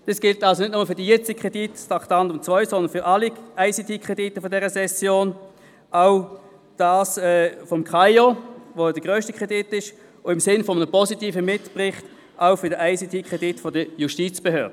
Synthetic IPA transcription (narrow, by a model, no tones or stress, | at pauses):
d̥isɡ̥ɪltɑlsonɪtnʊməfʏɐdijɛt͡sikʰʁ̥ɛd̥itstɑktɑndʊmt͡svœʏsɔnd̪ənfʏʁʔɑliaɪsitiːkχʁ̥ɛd̥itəfɔdɛʁəsɛsjoːn | aʊ | d̥aːsɛːfɔmkʰaɪovod̥əɡ̥ʁøːʃtikʰʁ̥ɛdɪtɪʃ | ʊɪmsɪnfɔmənəpɔsitiːfəmɪtpʁɪχt | ʔaʊfʏɐdəʔaɪsitʰiːkʁ̥ɛditfɔdəjuʃtiːt͡sb̥ehøːɐdə